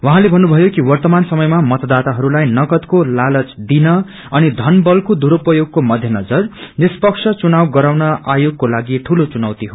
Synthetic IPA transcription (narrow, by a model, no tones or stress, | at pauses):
wʌɦãlebʱʌnːubʱʌjokiwʌrt̪ʌmansʌmʌjmamʌt̪ʌd̪at̪aɦʌɾulajnʌɡʌt̪kolalʌt͡sd̪inʌ | ʌnid̪ʱʌnbʌlkod̪uɾopʌjoɡ̚komʌd̪ʱjʌnʌd͡zʌrnispʌksʰʌt͡sunawɡʌɾawnʌajoɡ̚kolaɡiʈʰulot͡sunawt̪iɦo